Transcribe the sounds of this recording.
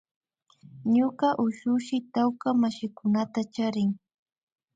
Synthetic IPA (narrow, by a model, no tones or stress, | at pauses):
ɲoɢɑʔʊʃʊʃɪt̪awkamaʃɪkʊnat̪at͡ʃaɾɪŋ